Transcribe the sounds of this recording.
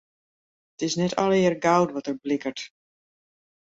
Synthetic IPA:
ətɪsnɛtʰɔ̰lˠɪərɡawtʋɔtərblɪkərt

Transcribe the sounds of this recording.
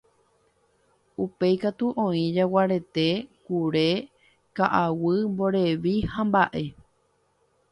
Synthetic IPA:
upe̞jkat̪uʔõĩd͡ʒawaɾe̞t̪e̞kuɾe̞ | kaʔawɨmbo̞ɾe̞ʋihãmbaʔe̞

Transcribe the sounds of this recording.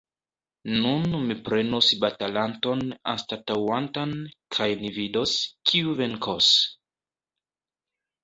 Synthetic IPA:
nunmipɾe̞nosbatalanto̞na̰statawantankʰajnividoskʰiuve̞ŋkʰos

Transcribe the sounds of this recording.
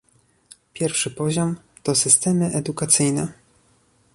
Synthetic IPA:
pʲjɛɾfʂɘpɔʑɔm | t̪ɔsɘst̪ɛmɘʔɛd̪ukat̪sɘjnɛ

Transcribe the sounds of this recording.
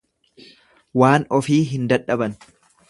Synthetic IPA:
waːnɔfiːɦɪnd̪ɐᶑɐbɐn

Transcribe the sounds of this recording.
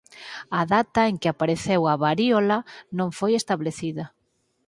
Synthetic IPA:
ɐðat̪ɐeŋkɪapaɾeθewɐβaɾiolɐnõŋfojest̪aβleθiðɐ

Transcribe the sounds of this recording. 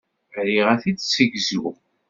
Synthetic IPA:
ɾiʁæθit͡sːsəɡzṵ

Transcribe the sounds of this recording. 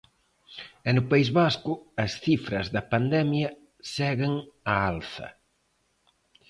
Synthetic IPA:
ɛnʊpaizβaskʊɐsθifɾɐzðɐpand̪ɛmjɐ | sɛɣeŋɐalθɐ̰

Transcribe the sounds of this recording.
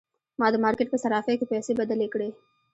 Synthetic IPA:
maːd̪maːɾkeʈ̚kesɐɾaːfekepɛːsebɐd̪əleːkɽeː

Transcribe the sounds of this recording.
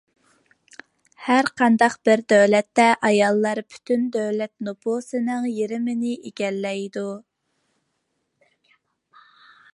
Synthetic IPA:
hæɾqʰɑnd̪ɑqb̥ɪɾd̪øwlɛt̪ːɛʔɑjɑlˠːɑɾpʰy̥t̪ʰynd̪øwlɛt̪nopʰosɨnɨŋjiɾɪmɪnɪʔeɡʲɛlːɛjd̪u

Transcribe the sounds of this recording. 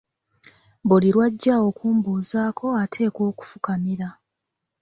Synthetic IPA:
buliɾwaɟːao̞kuːmbuːzaːkʰo̞atʰe̞ːko̞ːku̥fukamiɾa

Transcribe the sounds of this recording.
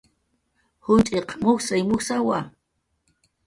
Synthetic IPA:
hʊnt͡ʃʼeqmʊksajmʊksawa

